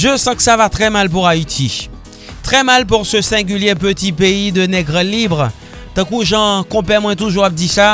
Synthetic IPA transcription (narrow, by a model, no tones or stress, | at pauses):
ʒəsɑ̃kə̥savat̪χɛmalp̬uʁait̪ʰi | t̪χɛmalp̬uʁsəsɛ̃ɡʲyljep̬ət̪ipeid̪ənɛɡʁəlibʁ | t̪ɑ̃kuʒɑ̃kɔ̃pɛmwɛ̃t̪uʒuʁap̚d̪isa